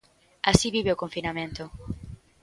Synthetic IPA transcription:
asiβiβeokõɱfinamẽnt̪ʊ

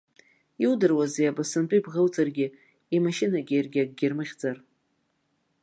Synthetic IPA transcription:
iwdɨrwazejabasɨntʼuibʁəwt͡sʼarɡʲɪ | imaʃɪnaɡʲiarɡʲaɡ̚ʼɡʲɪrmɨʁʲd͡zar

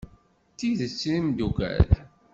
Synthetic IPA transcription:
t̪ːiðət͡sːɾimd̪ukæ̰l

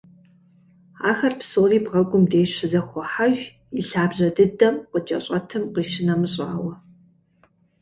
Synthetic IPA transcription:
a̰ːxɐrpsoːriːbʁɐɡʷʼʊmdeːɕɪzɐχʷɔħaʒ | iɬaːbʑɐdɨdɐmqət͡ʃʼɐ̰ɕʼɐtʰɨmqiːʃɪnɐmɨɕʼa̰ːwɐ

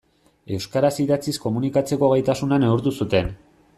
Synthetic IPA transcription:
e̞wskaɾasiðat͡sisko̞munikat͡se̞ko̞ɣajt̪asunaneuɾt̪̬usut̪e̞n

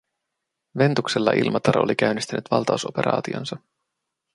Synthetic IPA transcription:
ʋe̞nt̪ukselːɑʔḭlmʔɑt̪ɑɾolik̟æɥnːist̪ænʔyt̪ʋɑlt̪ɑuso̞pe̞ɾɑ̰ːt̪io̰nsɑ

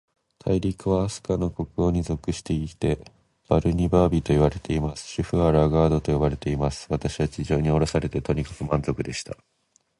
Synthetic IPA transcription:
t̪ʰaiɾʲikɯ̟βaːsɨ̥kano̞ko̞kɯ̟o̞ɲ̟izo̞kɯ̟ɕi̥t̪e̞it̪e̞ | b̥aɾɯ̟ɲ̟ibaːbʲit̪o̞iβ̞aɾe̞t̪e̞imasɨ̥ɕiɸɯ̟aɾaɡaːd̪o̞t̪ojobaɾe̞t̪e̞imasɨ̥βat̪aɕiβat͡ɕiʑo̞ːɲ̟io̞ɾo̞saɾe̞t̪e̞t̪o̞ɲ̟ikḁkɯ̟mãnzo̞kɯ̟d̪e̞ɕi̥t̪a

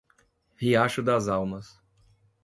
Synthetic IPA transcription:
hiaʃʊd̪ɐzawmɐs

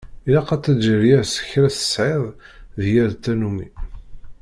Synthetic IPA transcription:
ilæqɑt͡s̪ːæd̪ʒəɾjæɾsə̥çɾæsə̥sʕeðˤ | ðjæɾt̪ːænumi

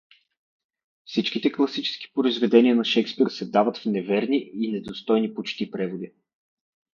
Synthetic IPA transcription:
fsit͡ʃkit̪ɛklˠɐsit͡ʃɛ̥sk̟i̥pɾoizvɛd̪ɛniənɐʃɛkspiɾsɛd̪avət̪fnɛvɛɾniinɛd̪ost̪ɔjnipot͡ʃt̪ipɾɛvod̪i

